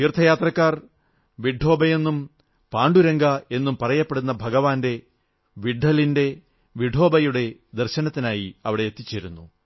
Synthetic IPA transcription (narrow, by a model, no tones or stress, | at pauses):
t̪iːrt̪ʰɐjaːt̪rɐkːaːr | ʋiɖʱo̞ːbɐje̞nːum | paːɳɖuɾɐŋɡɐe̞nːumpɐrɐjɐpːeɽunːɐbʱɐɡɐʋaːnde̞ | ʋiɖʱːɐlinde̞ | ʋiɖʱo̞ːbɐjuɽe̞d̪erɕɐnɐt̪ːinaːjiɐʋiɽe̞jːt̪ːit͡ɕːeːɾunːu